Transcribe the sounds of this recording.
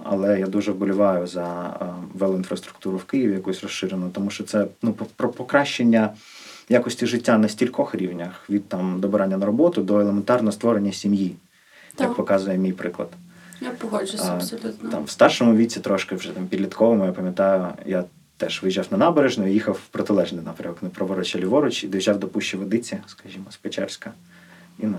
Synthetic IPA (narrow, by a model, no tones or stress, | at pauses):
ɐ̰lˠɛjad̪uʒɛwbɔlʲʊʋɑjʊzɐ | ʋɛlˠʊinfɾɐst̪ɾʊ̥k̚t̪uɾʊwkɪjiʋʲɪjɐkusʲrɔsʃɪɾenʊt̪ɔmuʃt͡ʃɔt̪sɛnuppɾɔpɔkɾɑʃt͡ʃenʲːɐ | jakɔsʲtʲiʒɪtʲːanɐsʲtʲilʲkɔxɾʲiwnʲɐxʋʲid̪̚t̪ɑmd̪ɔbɪɾɑnʲːɐnɐɾɔbɔt̪ʊd̪ɔelˠement̪ɑrnɔɦɔst̪ʋɔɾenʲːɐsʲimji | jɐkpɔkɑzʊjɛmʲijpɾɪklˠɐ̰d̪̥ | jp | t̪ɑ̰mʋst̪ɑrʃɔmʊʋʲit͡sʲit̪ɾɔʃkɪwʒɛt̪ɑmpʲid̪ʲlʲit̪kʰɔʋɔmɔjapɐmʲjɐt̪ɑjʊja | t̪ɛʃʋɪjʒɑwnɐnɑbeɾeʒnʊijixɐwpɾɔt̪ɪlˠɛʒnɪjnɑpɾʲɐmɔknɐpɾɔʋɔɾɔt͡ʃɐlʲiʋɔɾɔt͡ʃid̪ɔjʒɑwd̪ɔpuʃt͡ʃːiʋɪd̪ɪt͡sʲiskɐʒʲimɔspet͡ʃɛ̰rsʲkɐ | in